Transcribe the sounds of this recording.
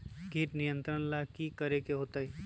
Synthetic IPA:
ɡiːʈnɪjə̃nt̪ɾənlakikəɾekeɦoːt̪aɦi

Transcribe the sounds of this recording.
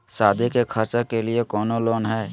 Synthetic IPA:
saːd̪ʱikekʰəɾt͡ʃəkeliekɔːnoloːnɦɛː

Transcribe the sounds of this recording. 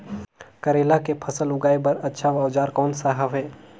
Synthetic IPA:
kəɾeːlakepʰəsəlʊɡaːebəɾɐtːʃʰaʋaʋd͡ʒaːɾkɔːnsaɦəʋɦɛː

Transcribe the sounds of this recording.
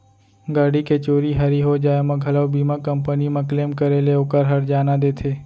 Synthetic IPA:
ɡaːɽiket͡ʃoːɾiɦəɾiɦod͡ʒaːemãɡʱələʋbimãkəmpənimãkleːmkəɾeleokəɾɦəɾd͡ʒaːnãd̪et̪ʰeː

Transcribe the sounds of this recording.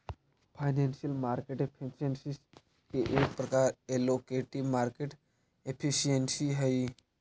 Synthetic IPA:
pʰajnensijəlmaːɾkeʈepʰisiensis | keʔeːk̚pɾɐkaɾelokeʈiʋmaːɾkeʈ | epʰisiensiɦəi

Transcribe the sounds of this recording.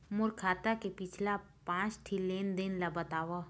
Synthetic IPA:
mʊɾkʰaːt̪akepɪt͡ʃʰla | pãːt͡ʃʈʰileːnd̪ɪnlabɐt̪aːwa

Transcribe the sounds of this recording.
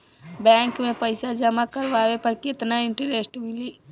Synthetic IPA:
bɛ̃ŋkmẽpəjsad͡ʒəmakəɾʋawepəɾket̪naɪɳʈəɾesʈmili

